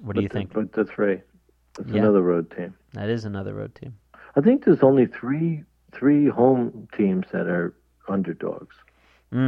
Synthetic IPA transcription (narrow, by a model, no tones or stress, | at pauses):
wʌdʌɨɨɪ̃ŋb̥ʌt̪̚ðɨθɹi | ɨtsənʌðə˞ɹoʊd̚tʰĩm | ðɨ̰ɾɪzənʌðə̰˞ɹo̰ʊd̚tʰĩm | aɪθɪ̃ŋk̚ðə˞zõʊ̃nliθɹi | θɹihõʊ̃mtʰĩmz̥ðɨ̰ɾə˞ | hʌ̃ndə˞dɔ̰ɡ̥z̥ | m̩